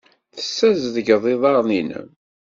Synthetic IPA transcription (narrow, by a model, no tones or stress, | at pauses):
θə̥sːæzðəɡəðˤɪðˤɑʁˤninə̰